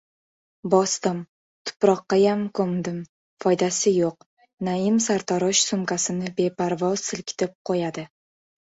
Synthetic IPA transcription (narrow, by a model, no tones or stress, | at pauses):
bɒst̪ɪm | t̪ʰʊ̥pɾɒqːɑjamkʰɵmd̪ɪm | fɒjd̪asɪjoq̚ | naɪmsaɾt̪ʰɒɾɒʃsʊmkasɪnɪbe̞pʰaɾvɒz̥sɪlkʲʰɪ̥t̪ʰɪp̚qʰojad̪ɪ